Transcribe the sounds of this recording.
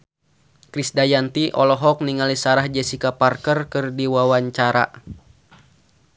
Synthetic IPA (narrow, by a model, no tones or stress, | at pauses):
kɾisdajant̪iʔɔlɔɦɔk̚niŋalisaɾahd͡ʒɛsikaparkərkɨrdiwawaɲt͡ʃaɾa̰